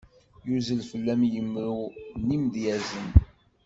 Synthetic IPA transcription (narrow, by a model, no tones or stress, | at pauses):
juzəlfəlːæmjəmːɾunimd̪jæzən